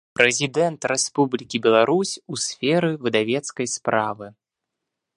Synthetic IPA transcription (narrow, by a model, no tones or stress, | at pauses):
pɾɛzʲid̪ɛnt̪ɾɛspublʲikʲibʲɛlˠaɾusʲusʲfʲɛɾɨvɨd̪avʲɛt̪skɐjspɾavɨ